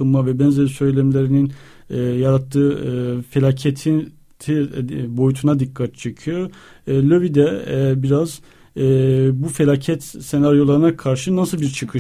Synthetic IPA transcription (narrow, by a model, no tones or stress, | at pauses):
ɯmmavɛbɛnzelisø̞jlʲemelʲeɾininː | jaɾat̪ʰːɯːfe̞lʲaːcʰet̪ʰi | t̪ʰibo̞jut̪ʰunad̪ikːat̪̚t͡ʃʰe̞cʰijo̞ | lʲøvid̪ɛbiɾaz | bufe̞lʲaːcʰɛt̪se̞naɾjo̞lˠaɾɯnakʰaɾʃɯnasɯlˠbiɾt͡ʃʰɯkʰɯ